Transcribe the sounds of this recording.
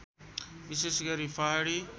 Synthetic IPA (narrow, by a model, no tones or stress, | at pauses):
ʋɪsesɡɐɾifaːɽiː